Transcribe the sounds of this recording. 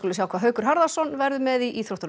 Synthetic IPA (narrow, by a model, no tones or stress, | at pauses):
kʏlʏsjaːwkʰvaːɦœːɥkʏɾ̥ɦaɾðasɔnvɛɾðʏmɛðiiθɾowht̪ɾ